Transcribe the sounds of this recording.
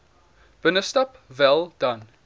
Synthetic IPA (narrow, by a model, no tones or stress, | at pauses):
b̥ənəstɐp | vɛlˠd̥ɐn